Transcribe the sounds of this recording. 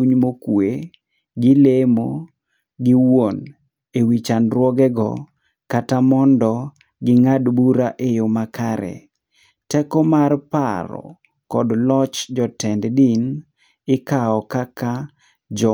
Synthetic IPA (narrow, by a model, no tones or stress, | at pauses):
uɲmokwe | ɡɪlemo | ɡɪwon | ewit͡ʃanɾwɔɡɛɡɔ̰ | katamɔndɔ | ɡɪŋadbuɾaʔejomakaɾɛ̰ | tɛkɔmarpa̰ɾɔ̰ | kɔdlɔt͡ʃd͡ʒɔtɛnddin | ɪkaɔkaka | d͡ʒɔ